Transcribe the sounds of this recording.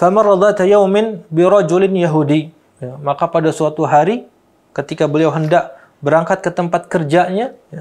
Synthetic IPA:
famarˤɑd̪ˤaʔt̪ajawmɪnbɪɾˤɑd͡ʒulɪnjaɦudi | jamakapadasəat̪uɦaɾi | kət̪ikabəliawɦəndaʔ | bəɾaŋkat̪̚kət̪əmpat̪̚kərd͡ʒaɲaja

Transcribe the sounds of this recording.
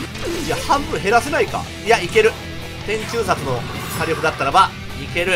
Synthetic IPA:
ijahãmbɯ̟̃ɰ̃ɦe̞ɾase̞naika̰ | ijaike̞ɾɯ̟ | t̪ẽ̞ɲ̟t͡ɕɨːsat͡sɨno̞saɾʲo̞kɯ̟d̪at̪ːaɾaba | ike̞ɾɯ̟

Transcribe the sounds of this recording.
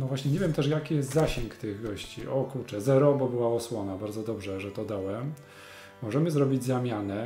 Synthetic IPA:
nɔvwaɕɲɛɲevʲjɛmt̪ɛʂ̬jakʲijɛst̪zaɕɛŋkt̪ɘɣɡɔɕt͡ɕiʔɔkuɾt͡ʂɛzɛɾɔbɔbɘwaɔswɔnabaɾd̪zɔd̪ɔbʐɛʐɛt̪ɔd̪awɛm | mɔʐɛmɘzɾɔbʲid͡ʑzamʲjanɛ

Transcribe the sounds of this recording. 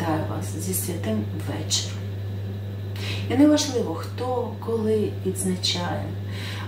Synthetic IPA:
ɑjʊʋɑ̰szʲisʲʋʲɐt̪ɪm | ʋɛt͡ʃerʊ | inɛʋɐʒlˠɪʋɔxt̪ɔkɔlˠɪʋʲid̪znɐt͡ʃɑjɛn

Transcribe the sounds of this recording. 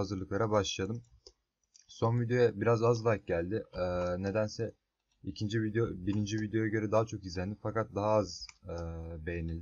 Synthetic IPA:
azɯɾlˠɯklˠaɾabaʃlˠad̪ɯm | so̞nvid̪jojɛbiɾazazlˠak̚ɟælʲd̪ɪːne̞d̪ænsɛ | icʰind͡ʒivid̪obiɾind͡ʒivid̪jo̞jaɟø̞ɾɛd̪aɦat͡ʃʰo̞kizlʲænd̪ifakat̪̚d̪aɦaaz | be̞jenilʲd̪ɪ

